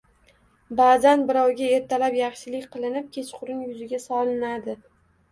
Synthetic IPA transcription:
bazanbɪɾawɡʲae̞ɾt̪ʰalapjɑχʃɪlɪkʲqʰɨlˠɪnɪp̚kʲʰe̞t͡ʃʰqʰʊɾɪŋjʊzɪɡʲasɒlˠɪnad̪ɪ

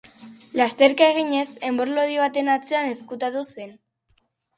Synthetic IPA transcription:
last̪e̞ɾkae̞ɣ̞iɲe̞se̞mbo̞ɾloðiβ̞at̪e̞nat͡se̞ane̞skut̪at̪use̞n

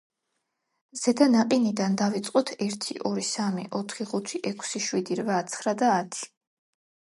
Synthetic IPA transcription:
z̥ɛd̪anaqʼinid̪and̪avit̪sʼqʼɔt̪ʰɛɾt̪ʰḭʔɔɾisamḭʔɔt̪ʰχiʁut̪ʰiʔɛkʷʰsiʃwid̪iɾvat̪sʰχɾad̪aːt̪ʰi̥

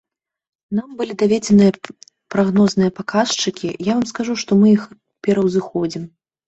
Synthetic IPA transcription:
nambɨlʲid̪avʲed͡zʲɛnɨjɐ | pɾaɣnɔznɨjɐpakast͡ʂɨkʲijavamskaʐuʂt̪ɔmɨjix | pʲɛɾɐwzɨxɔd͡zʲim

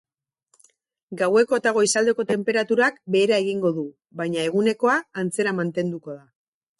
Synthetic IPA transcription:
ɡawe̞ko̞t̪aɣ̞o̞isald̪e̞ko̞t̪e̞mpe̞ɾat̪uɾakbe̞ːɾae̞ɣiŋɡo̞ðu | βajɲae̞ɣ̞une̞ko̞aːnt͡se̞ɾamant̪e̞nd̪uko̞ð̞a

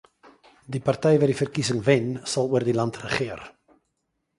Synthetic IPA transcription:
dipartɛjvɛːrdifərkisəŋvɛnsɑlˠuərdilɑntrəχɪər

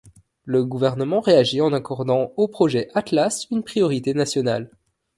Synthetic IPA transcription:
ləɡuvɛʁnəmɑ̃ʁeaʒiɑ̃nakɔʁd̪ɑ̃opχɔʒɛʔat̪lasynpχijɔʁit̪enasjɔna̰l

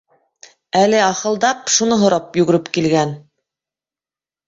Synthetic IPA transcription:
ælɘɑχɤ̆lˠd̪ɑpʃunɤɦŏɾɑpjʉɡɘ̆ɾɘpkilɡæn

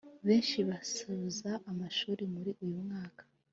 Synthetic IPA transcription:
βe̞ːnʃiβasuβuzaʔːmaʃuːɾimuɾiʔujumŋaːkḁ

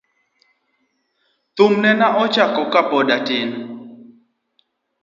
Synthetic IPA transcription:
t̪ʊmnɛnaʔɔt͡ʃakɔkapɔɗatɪn

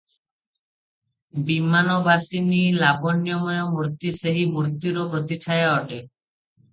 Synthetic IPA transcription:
bimanɔbasinilabɔnjɔmɔjɔmuɾt̪iseɦimuɾt̪iɾɔpɾɔt̪it͡ʃʰajaɔʈe

